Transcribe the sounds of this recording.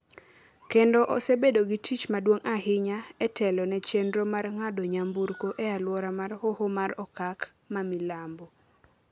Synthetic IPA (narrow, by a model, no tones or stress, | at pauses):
kendoʔɔ̰sɛbedoɡitʰit͡ʃmadwoŋaɦɪɲaɛtɛlɔnɛt͡ʃendɾomarŋadoɲambuɾkoʔɛalwɔɾamarhohomaɾɔkak | mamilambo